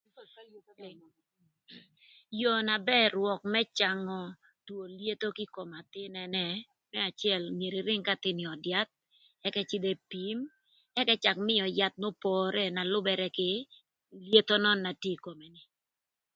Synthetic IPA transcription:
jo˨na˨bɛ˦ɾwɔ˨k̚mɛ˦t͡ʃa˨ŋɔ˨ | two˨lje˦t̪o˦kɪ˦ko˨ma˨t̪ɪ˦nɛ˨nɛ˨ | mɛ˦a˨t͡ʃɪ˦ɛ˦˨lnje˨ɾi˨ɾɪ˦ŋka˦t̪ɪ˦nɪ˨ɔ˨dja˦t̪̚ | ɛ˦kɛ˦t͡ʃɪ˦d̪ɛ˦pi˨˦m | ɛ˦kɛ˦t͡ʃa˨kmɪ˦jɔ˨ja˦t̪̚no˦pɔ˨ɾʔɛ˦na˨lʊ˦bɛ˨ɾɛ˦kɪ˦ | lje˦t̪o˦nɔ˦nːa˨tje˦ko˨me˨nɪ˨

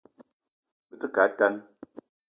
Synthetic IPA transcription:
bɨ˦tɨ˦ka˨˦ta˦n

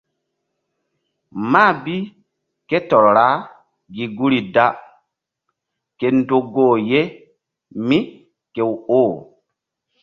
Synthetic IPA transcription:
ma˦˨bi˦ | ke˦tɔ˨ɾɾa˦ | ɡi˨ɡu˦ɾi˨da˦ | ke˨ndo˨ɡoː˦˨je˦ | mi˦ | ke˨woː˦˨

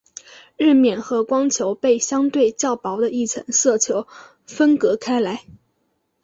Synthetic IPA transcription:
ɻ̩˥˧mjɛ˥˩nxɤ˧˥kwɑ˥ŋt͡ɕʰjo˧˥ʊpe˥˩ɪɕjɑ˥ŋt̪we˥˧ɪt͡ɕjɑ˥˩ʊpɑ˧˥ʊd̪ə˧i˥˩ʈ͡ʂʰɤ̰˧˥ŋsɤ˥˩t͡ɕʰjo˧˥ʊ | fə˥nkɤ˧˥kʰa˥ɪla˧˥ɪ

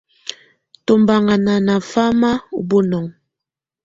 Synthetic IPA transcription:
to˨mba˨ŋa˨na˨na˨fa˦ma˦u˨bo˦nɔ˨ŋ

